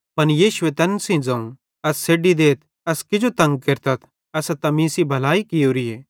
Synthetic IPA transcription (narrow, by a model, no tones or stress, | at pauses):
pɐnjiːʃʊet̪ɐnsĩd͡zɐ̃ũ | ɐsːeːɖid̪eːt̪̚ʰ | ɐskɪd͡ʒot̪ɐ̃ŋɡ̚kɐɾt̪ɐt̪ʰ | ɐsat̪ɐmĩːsibʱɐlaːikɪjoːɾieː